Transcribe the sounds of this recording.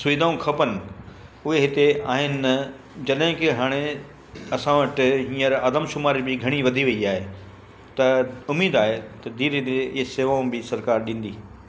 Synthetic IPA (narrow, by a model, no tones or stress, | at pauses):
sʊʋɪd̪ʱaːũkʰɐpənɪ̆ | ʊɦeɦɪt̪ea̰ːɦɪnɪ̆nɐ | d͡ʑɐɗɦɪ̃kɪɦaːɽ̃e | ɐsãʋɐʈɦĩːəɾaːd̪əmʃʊmaːɾibɪɡʱɐɽ̃iʋɐd̪ʱiʋɐiaːɦe | t̪ɐʊmiːd̪aːɦet̪ɐd̪iːɾɪd̪eɪɦeseːʋaːũbɪsɐɾkaːɾɗĩːn̆d̪iː